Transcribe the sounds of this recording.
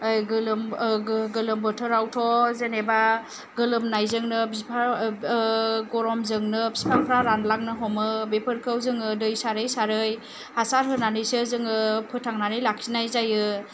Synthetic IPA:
ɯjɡɯlɯmɡɯlɯmbɔtʰɯɾawtʰɔzeneba | ɡɯlɯmnajzɯŋnɯbispʰa | ɡɔɾɔmzɯŋnɯbispʰaŋpʰɾaɾanlaŋ̚nɯɦɔmɯbepʰɯɾkʰɯwzɯŋɯdɯjsaɾɯjsaɾɯj | hasaɾɦɯnanɯjsɯzɯŋɯpʰɯtʰaŋnanɯjlaksinajzajɯ

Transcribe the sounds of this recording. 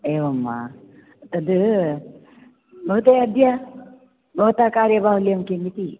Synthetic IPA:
eːʋɐmːa̰ | t̪ɐd̪ɨ | bʱɐɦt̪ejɐd̪ʱja | bʱɐɦut̪akaːɾjɐbaːɦulijɐmkemit̪i

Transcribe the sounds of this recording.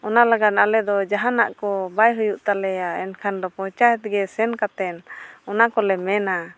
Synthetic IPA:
ɔnalaɡad̪alɛd̪ɔd͡ʒaɦanaʔkɔbajɦujuʔt̪alɛaɛnkʰand̪ɔpɔ̃t͡ʃajɛt̪̚ɡɛsɛnkat̪ɛnɔnakɔlɛmɛna

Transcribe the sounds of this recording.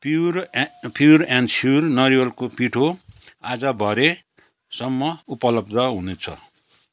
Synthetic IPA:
p | pjuɾansurnʌɾiwʌlkopiʈʰoad͡zʌbʱʌɾe | sʌmːʌupʌlʌbd̪ʌɦunet͡sʰʌ̰

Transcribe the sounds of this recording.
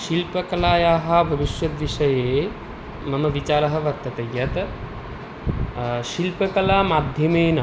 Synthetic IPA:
ʃilpɐkɐlaːjaːɦɐ̆bʱɐʋiʃʋɐt̪ʋiʃɐjeː | mɐmɐʋit͡ʃaːɾɐɦɐ̆ʋɐɾt̪ːɐt̪ɐjɐt̪ɐ | ʃilpɐkɐlaːmaːd̪ʱjɐmeːnɐ

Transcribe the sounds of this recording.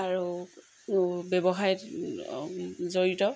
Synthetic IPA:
aɹu | bɛbɔɦajɛt | zoɹitɔ

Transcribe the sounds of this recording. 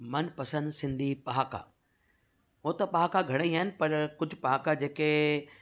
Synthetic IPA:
mɐnpɐsə̃nd̪sɪ̃nd̪ʱipaɦka̰ː | ot̪ɐpaːkaɡʱɐɽ̃eiɦaːɪnɪ̆pɐɾkʊd͡ʑʱʊpaːkad͡ʑeːke

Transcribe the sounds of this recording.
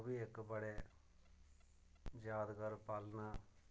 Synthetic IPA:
biːɪkbəɽeː | d͡ʒjaːd̪ɡəɾpalnaː

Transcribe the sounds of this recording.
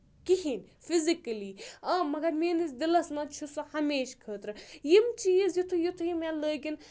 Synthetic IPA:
kihin | fizikɐliːɐmɐɡɐɾmeːnizd̪ilɐsmɐt͡ʃʰusɐhɐmeːʃkʰəːt̪ɾɨjimt͡ʃiːzjit̪ʰujut̪ʰujimeləːɡin

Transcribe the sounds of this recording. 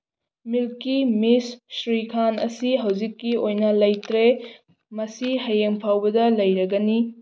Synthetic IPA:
milkimisːɾikʰanɐ̰siɦɐwd͡ʒikːiojnɐlɐjtɾe | mɐsihɐjeŋpʰawbɐdɐlɐjɾɐɡɐni

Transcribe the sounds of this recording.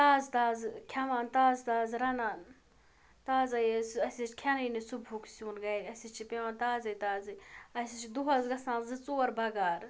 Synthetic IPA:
t̪aːzt̪aːzkʲʰɐmaːnt̪aːzt̪aːzɾɐnaːn | t̪aːzɐjesɐsʲit͡ʃkʲʰɐnɐnisubʱuksʲuːnɡɐjɐsʲit͡ʃʰipeʋãːnt̪aːzɐjt̪aːzɨɐsit͡ʃd̪uɦɐzɡɐsãːnzɨt͡soːɐɾbɐɡaːɾ

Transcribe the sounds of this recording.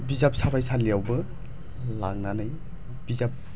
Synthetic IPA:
bizap̚sabajsʰalijawbɯ | la̰ŋnanaj | b̥izap̚

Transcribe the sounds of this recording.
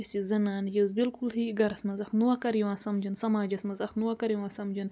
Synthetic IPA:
sizɐnaːnjɐwzbilkulhiɡɐɾɐsmɐzɐxnuwɐkɐɾjiwãːnsɐmd͡ʒɐnsɐmaːd͡ʒɐsmɐzɐxnuwɐkɐɾjiwãːsɐmd͡ʒɐn

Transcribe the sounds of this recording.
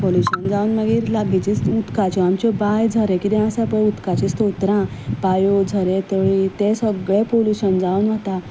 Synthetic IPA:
poljuɕənd͡zaunməɡiːɾlaɡit͡ɕisut̪kat͡ɕɔamt͡ɕɔbajd͡zʱəɾɛ̃kid̪ɛ̃ãsapəɭut̪kat͡ɕist̪ot̪ɾãpajod͡zʱəɾet̪əɭit̪esəɡɭẽpoluɕənd͡zaunʋət̪a

